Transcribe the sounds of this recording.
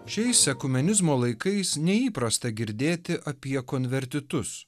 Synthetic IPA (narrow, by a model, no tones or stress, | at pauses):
ʃʲɛɪsɛkʊmʲɛnʲɪzmoːlˠɐɪkɐɪsnʲɛiːpɾɐst̪ɐɡʲɪɾʲd̪ʲeːt̪ʲɪʔɐpʲiɛkoːnʲʋʲɛɾʲt̪ʲɪt̪ʊs